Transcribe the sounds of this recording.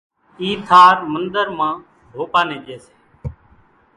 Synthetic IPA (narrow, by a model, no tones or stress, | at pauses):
iːt̪ʰaːɾmənd̪əɾmãː | ɦoːpaːnẽːd͡ʒeːse̥ː